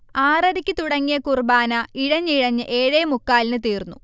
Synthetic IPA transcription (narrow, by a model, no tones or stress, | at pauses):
aːrɐɾikʲːɨt̪uɽɐŋːijɐkurbaːnɐiɻɐɲːɨiɻɐɲːɨʔe̞ːɻeːmukːaːlinɨt̪iːrnːu